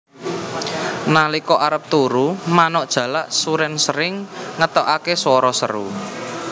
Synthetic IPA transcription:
nalikɔʔaɾəp̚t̪uɾumanɔʔd̥ʒ̥ä̤laʔsuɾɛnsəɾɪŋːət̪ɔʔakeswɔɾɔsə̰ɾṵ

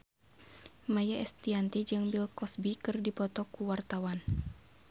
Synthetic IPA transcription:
majaɛst̪iant̪id͡ʒɨŋbilkɔsbikɨrdipɔt̪ɔkuwart̪awan

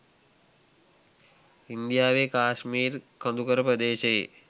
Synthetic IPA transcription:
ind̪ijaːʋekaːʃmiːrkənd̪ukəɾəpɾəd̪eːʃee

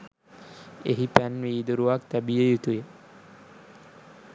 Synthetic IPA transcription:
eɦipænʋiːd̪oɾuʋak̚t̪æbijejut̪uje

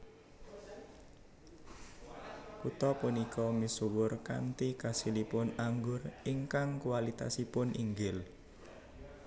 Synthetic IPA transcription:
kut̪ɔpunikɔmisuwʊrka̰nt̪ikasilipʊnaŋɡʊriŋkaŋkualit̪a̰sipʊnʔiŋɡɪl

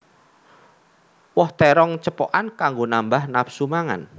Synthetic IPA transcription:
wɔht̪ɛɾɔŋt͡ʃəpɔʔankaŋɡonambahnapsumaŋa̰n

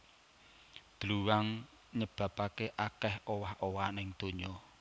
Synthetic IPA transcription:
d̪̥ɾuwaŋ | ɲəb̥ä̤pakeʔakɛhowahowanɪŋd̪̥o̤ɲɔ

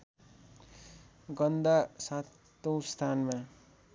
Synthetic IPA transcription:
ɡʌnd̪asat̪ː | õwst̪ʰanma

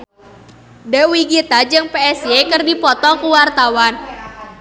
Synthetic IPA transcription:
dɛwiɡit̪ad͡ʒɨŋpeɛsekɨrdipɔt̪ɔkuwart̪awan

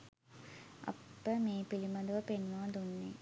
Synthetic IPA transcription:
ʔɐ̰pːəmeːpilimɐd̪ɐʋəpenʋaːd̪unːḛ

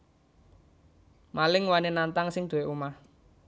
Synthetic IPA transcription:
malɪŋwanenant̪aŋsɪŋd̪̥oweʔumah

